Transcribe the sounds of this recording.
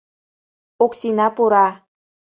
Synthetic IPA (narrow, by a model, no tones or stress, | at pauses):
oksinɑpuɾɑ